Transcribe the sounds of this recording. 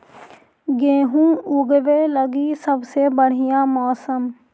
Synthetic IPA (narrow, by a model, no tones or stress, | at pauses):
ɡeːɦũːʊɡʋeːləɡiːsəbseːbəɽ̤ɪjãːmɔːsəm